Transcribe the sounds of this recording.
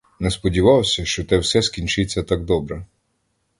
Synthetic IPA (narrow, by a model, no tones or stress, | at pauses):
nɛspɔdʲiʋɑwsʲɐʃt͡ʃɔt̪ɛwsɛskʲinʲt͡ʃɪt͡sʲːɐt̪ɑɡ̚d̪ɔbɾɛ